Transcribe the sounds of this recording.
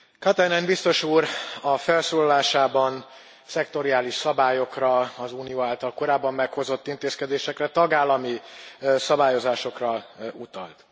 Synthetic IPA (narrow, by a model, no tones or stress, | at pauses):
kɒt̪ɛnɛnbist̪o̞ʃuːɾɒfɛlsoːlɒlaːʃaːbɒn | sɛkt̪o̞ɾiaːliʃsɒbaːjo̞krɒɒzuːnijoːaːlt̪ɒlko̞ɾaːbːɒmːɛkho̞zo̞t̪ːint̪eːskɛd̪eːʃɛkrɛt̪ɒɡaːlːɒmisɒbaːjo̞zaːʃo̞krɒut̪ɒ̰lt̪